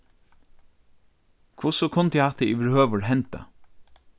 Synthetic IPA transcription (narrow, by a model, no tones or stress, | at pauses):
kʰʋʊsɔkʰʊnt̪əɛhɑt̪ʰəiːʋɪɹhøːʋəɹɦɛnt̪a̰